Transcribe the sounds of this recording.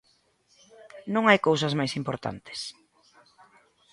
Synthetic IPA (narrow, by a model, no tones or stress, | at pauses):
nõŋajkowsɐzmajsimpoɾt̪a̰nt̪ʰɪ̥s